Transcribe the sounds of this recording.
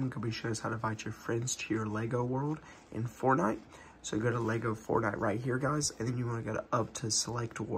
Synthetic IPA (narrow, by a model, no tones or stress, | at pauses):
mɡʌnbiʃoʊʌshaʊɾɨvaɪt͡ʃə˞fɹɛ̃ndz̥tʰɨjə˞lɛɡoʊwɜ˞lˠd | ʔɨ̰̃nfɔɹnaɪt̚ | soʊjɨɡoʊɾəlɛɡoʊfɔ̰ɹnaɪʔ̚ɹʔaɪt̚ɦiɹɡaɪzɨ̃nðɨ̃njɨwɑ̃nɨɡɛɾʌp̚tʰɨsəlɛk̚t̚wɔ̰